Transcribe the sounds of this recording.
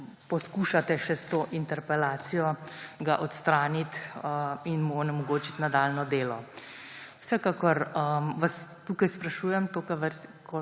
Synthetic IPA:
pɔskuːʃat̪ɛʃɛst̪oːʔint̪ɛɾpɛlaːt̪sijɔɡaʔɔt̪st̪ɾaːnit̪əinmunɛmɔɡoːt͡ʃit̪nad̪aːlnɔd̪eːlɔ | wsɛkakɔɾəmʋast̪ukajspɾaʃuːjɛmt̪oːkaʋkɔ

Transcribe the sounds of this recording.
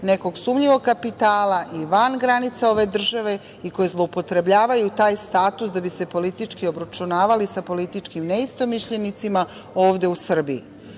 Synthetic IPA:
ne̞ko̞ɡsumʎiʋo̞ɡkapit̪aːlaʔiʋanɡɾanit̪sao̞ʋe̞d̪r̩ʒaʋe̞ | iko̞jezlˠo̞upo̞t̪ɾe̞bʎaːʋajut̪aːjst̪aːt̪usd̪abise̞po̞lit̪it͡ʃkio̞bɾat͡ʃunaːʋalisapo̞lit̪it͡ʃkimneist̪o̞miʃʎe̞nit̪sima | o̞ːʋd̪e̞usr̩bii

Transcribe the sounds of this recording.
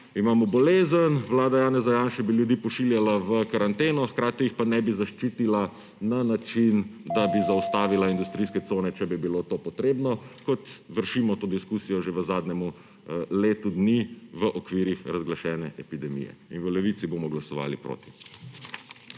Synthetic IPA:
imaːmɔbɔleːzənʋlaːd̪ajaːnɛzajanʃɛbiljud̪iːpɔʃiljalaʋəkaɾant̪eːnɔxkɾaːt̪ijixpanɛbizaʃt͡ʃiːt̪ila | nanat͡ʃind̪abizaɔst̪aːʋilaind̪ust̪ɾijskɛt̪soːnɛt͡ʃɛbibilot̪oːpɔt̪ɾeːbnɔkɔt̪ʋəɾʃimɔt̪oːd̪iskuːsijɔʒeʋəzaːd̪nɛmu | leːt̪ud̪niʋəʔɔkʋiːɾixɾazɡlaʃɛːnɛʔɛpid̪ɛmḭjɛ̰inʋəlɛʋiːt̪sibomɔɡlasɔʋa̰ːlipɾo̰ːt̪i̥

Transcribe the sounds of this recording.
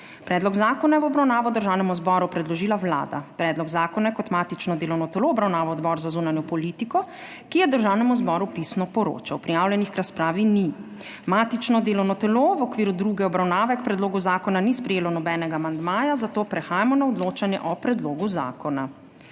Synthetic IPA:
pɾɛːd̪lɔɡzaːkɔnajɛwɔbɾawnaːʋɔd̪əɾʒaːwnɛmuzbɔɾupɾɛd̪lɔʒiːlawla̰ːd̪a̰pɾɛd̪lɔɡzaːkɔnajɛkɔt̪maːt̪it͡ʃnɔd̪eːlɔwnɔt̪ɛloːɔbɾawnaːʋɔɔd̪bɔɾzazuːnanjɔpɔliːt̪ikɔ | kijɛd̪əɾʒawnɛmuzbɔɾupisnɔpɔɾo̰ːt͡ʃawpɾijawlʲjɛnixkɾaspɾaːʋini | mat̪it͡ʃnɔd̪eːlɔwnɔt̪ɛloʋɔkʋiːɾud̪ɾuːɡɛɔbɾawnaːʋɛkpɾɛd̪loːɡuzaːkɔnanispɾɛjeːlɔnɔbɛːnɛɡaːmand̪maːjazat̪oːpɾɛxaːjamɔnaɔd̪loːt͡ʃanjɛ̰ʔɔpɾɛd̪loːɡuza̰ːkɔna

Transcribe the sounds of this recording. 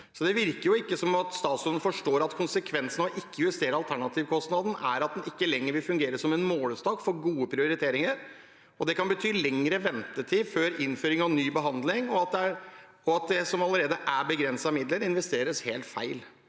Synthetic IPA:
sɔd̪ɛʋɪɾkəɾjʊɪkːəsɔmɑt̪st̪ɑːt̪sʉnənəfɔʂʈoːɾɑt̪kʰʊnsəkʰʋɛnsnɔʔɪkːəjʊʋəst̪eːɾəɑlt̪ʰæɳɑt̪ʰiːʋkʰɔst̪nɑd̪n̩æɾɑt̪̚d̪ɛnɪkːəlɛŋːəɾʋɪlfʉŋɡeːɾəsɔmɛnmoːləst̪ɑːkfɔɾɡuːəpʰɾɪʊɾɪt̪ʰeːɾɪŋəɾ | ɔd̪ɛkɑnbət̪ʰyːlɛŋɾəʋɛnt̪ət̪ʰiːføːɾɪnføːɾɪŋɑʋnyːbəɦɑnd̪lɪŋɔɑt̪̚d̪ɛæɾ | ɔɑt̪̚d̪ɛsɔmɑləɾeːd̪əʔæbəɡɾɛnsɑmɪd̪ləɾɪnʋɛst̪eːɾəsheːlt̪fæ̰ɪl

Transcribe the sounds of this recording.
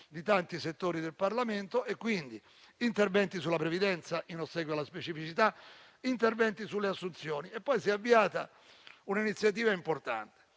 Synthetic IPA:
d̪it̪ant̪iset̪ːoːɾid̪elparlament̪oʔekːwind̪i | int̪ervɛnt̪isulːapɾevid̪ɛnt̪saʔinosːɛɡwjoalːaspet͡ʃifit͡ʃit̪a | int̪ervɛnt̪isulːeasːunt̪sjɔːniepːɔjsiɛavːiaːt̪a | unainit̪sjat̪̬iːvaimport̪a̰nt̪e̥

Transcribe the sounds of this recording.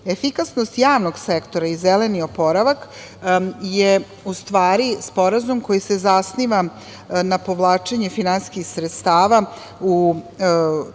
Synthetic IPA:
efikasnost̪jaːʋno̞ɡsekt̪o̞ɾaizelenio̞po̞ɾaʋak | je | ust̪ʋaːɾispo̞ɾazumko̞jisezasniʋa | napo̞ʋlˠaːt͡ʃe̞ɲefinanskixsɾet̪st̪aːʋa | u

